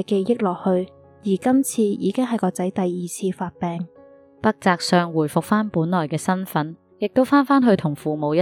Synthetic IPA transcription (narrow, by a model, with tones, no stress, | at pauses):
ke˧jjɪ˥k̚lɔː˨k̚hɵ˧ɥ | jiː˨˩kɐ˥mt͡sʰiː˧jḭː˨˧kɪ˥ŋɦɐ˨jkɔː˧t͡sɐ˨˥jt̪ɐ˨jːiː˨t͡sʰiː˧faː˧t̚pɛː˨ŋ | pɐ˥k̚t͡saː˧k̚sœː˧ŋwuː˨˩jfʊ˨k̚faː˥npuː˨˥nlɔː˨˩jkɛː˧sɐ˥nfɐ˨˥n | jɪ˨k̚t̪o˥wfaː˥nfaː˥nɦɵ˧ɥt̪ʰʊ˨˩ŋfuː˨mo˨˧wj